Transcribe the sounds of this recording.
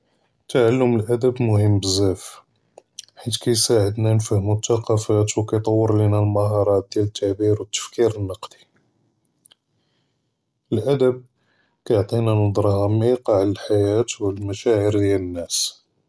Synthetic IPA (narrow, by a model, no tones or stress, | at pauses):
t̪ːaʕalːʊməlʔæd̪əbmʊhəmːbəzːæf | ħit̪kæjsaʕəd̪nænfəhmut̪ːɑqɑfæt̪wkæjt̪ˤɑwːəɾˤlinælmɑɦɑɾˤɑt̪̚d̪jælət̪ʰːaʕbiɾwət̪ːə̥fkiɾənːɑqd̪̥i̥ | əlʔæd̪əb̚ | kæjoʕt̪ˤinænəd̪ˤɾˤɑhɑmiqɑʕləlħajæt̪wlmæʃæʕəɾd̪jælənːæs